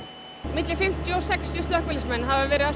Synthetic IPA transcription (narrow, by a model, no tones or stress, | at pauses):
mɪt̪lɪfɪm̥t̪jʏɔwsɛkst̪ːjʏst̪œhkvɪlsmɛnːɦavavɛːɾɪða